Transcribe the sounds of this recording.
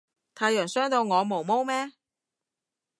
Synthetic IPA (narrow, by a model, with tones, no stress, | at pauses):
t̪ʰaː˨˧jœː˨˩ŋsœː˥ŋt̪o˧wŋɔː˨˧mo˨˩wmo˥wmɛː˥